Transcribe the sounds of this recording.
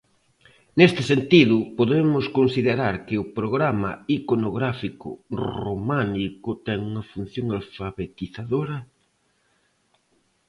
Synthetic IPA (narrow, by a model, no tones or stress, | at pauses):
nest̪ɪsent̪iðʊpoðemʊskonsiðeɾaɾkɪʊpɾoɣɾamɐ̰ikonoɣɾafikʊ̰rromanikʊt̪ɛŋuŋɐfun̟θjoŋalfaβet̪iθaðoɾɐ